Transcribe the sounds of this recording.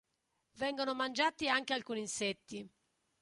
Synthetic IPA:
vɛŋɡonomand͡ʒaːt̪iaŋk̟ealkuːninsɛt̪ːi

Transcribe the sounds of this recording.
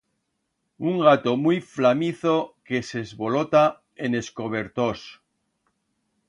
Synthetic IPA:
uŋɡat̪omujflamiθoke̞sezβo̞lot̪a | e̞ne̞sko̞β̞e̞ɾt̪o̞s

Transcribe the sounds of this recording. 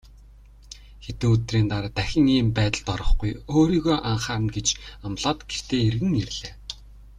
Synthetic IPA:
xet̪ɘ̆ŋɵt̪riːnt̪aɾt̪æxʲɪ̆ŋiːmpæːt̪ə̆ɮt̪ɔɾɞ̆χɡujoːɾiːɣoːʔaɴχaːnɡet͡ɕamɮɔːt̪ɡ̥er̥t̪eːerɣɘ̆ŋerɮeː

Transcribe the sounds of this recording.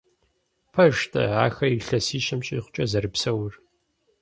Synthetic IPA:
pʰɐʒtʰɐ̰aːxɐiɬɐsiːʃɪmt͡ʃʼiːχʷʊt͡ʃʼɐzɐɾɨpsɐwr

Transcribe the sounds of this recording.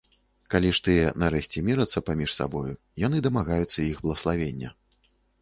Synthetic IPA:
kalʲiʂt̪ɨjɛnɐɾɛɕʲt͡sʲɛmʲiɾɐt̪sːɐpamʲiʂsa̰bɔju | jan̪ɨd̪ɐmaɣajut̪sːɐiɣblˠɐɣɐslˠavʲenʲːɐ

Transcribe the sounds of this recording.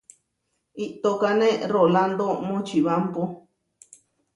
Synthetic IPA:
iʔt̪okanẽroland̪omõt͡ʃiβampo

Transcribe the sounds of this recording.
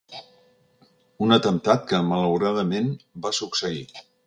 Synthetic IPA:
unət̪ənt̪at̪̚kəmələwɾaðəmenbasuksəi

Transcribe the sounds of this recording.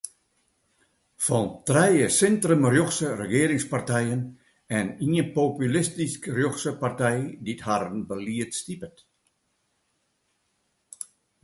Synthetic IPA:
fɔntrɛjəsɪntrəmrjoxsərəɡeːɾɪŋspartɛjən | ɛniəpopylɪstiskrjoxsəpartɛjdithaɾənbəliətstipət

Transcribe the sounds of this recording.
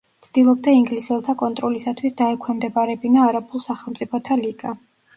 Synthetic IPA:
tt̪sʰd̪̥ilˠɔb̚d̪aiŋɡlisɛlˠt̪ʰakʼɔnt̪ʼɾɔlisat̪ʰwisd̪aɛkʰɛmd̪ɛbaɾɛbinaɾapʰʼulˠsaχɛlˠmt̪sʼipʰɔt̪ʰaliɡ̥a

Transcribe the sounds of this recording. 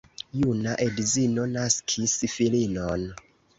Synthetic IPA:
junaʔedizino̞naskʰisfilinon

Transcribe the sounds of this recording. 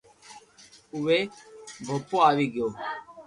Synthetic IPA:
ʊʋeːbʱopoːaːʋiːɡɪjoː

